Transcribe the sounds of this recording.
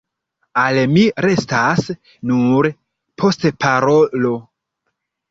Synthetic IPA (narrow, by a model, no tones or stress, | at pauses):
almiɾe̞stas | nuɾ | pʰo̞stpʰaɾo̞lo̞